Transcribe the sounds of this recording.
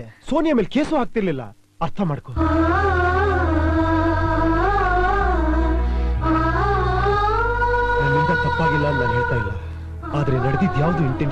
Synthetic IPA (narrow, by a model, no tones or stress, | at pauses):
so̞ːnjɐmeːlkeːsuɦaːk̚t̪iɾlilːɐ̰ | ɐɾt̪ʰɐmaːɽko | nɐnind̪ɐtɐt̪ːaːɡilːɐːnːaːnɦeːɭt̪aːjlːɐ | aːd̪ɾe̞nɐɽd̪id̪jaːʋd̪uːiɳʈe